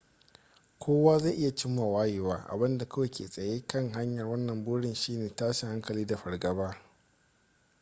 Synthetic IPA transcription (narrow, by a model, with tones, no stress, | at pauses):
kʷʰoː˦waː˦za˦˨ʔɪ˦ja˨t͡ʃɪ˦mːaː˨waː˦jeː˨waː˦ʔa̰˨bɪ˦nda˨kɐ˦we˨kʲʰḛː˨sʼɐ˨jeː˦kɐ˦˨ŋɦa˦ɲjɐ˨rwɐ˦nːɐ˨mbʊː˦ɽɪ˨nʃiː˦neː˨taː˦ʃɪ˨ha˦ŋkɐ˨liː˦da˨ɸɐ˨rɡɐ˨˦baː˦